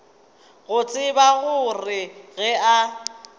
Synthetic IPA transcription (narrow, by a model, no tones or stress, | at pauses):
ɣʊt͡sʼɪbaɣʊrɪɣɛa